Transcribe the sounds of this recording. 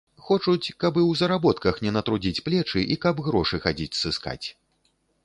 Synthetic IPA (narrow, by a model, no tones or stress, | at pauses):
xɔt͡ʂut͡sʲkɐbɨwzɐɾabɔt̪kɐxnʲɛnɐt̪ɾud͡zʲit͡sʲplʲɛt͡ʂɨʔikɐbɣɾɔʂɨxad͡zʲit͡sʲsɨska̰t͡sʲ